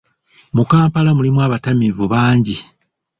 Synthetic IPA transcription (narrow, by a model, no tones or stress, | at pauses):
mukaːmpalamulimwaːβatamivuβaːɲɟi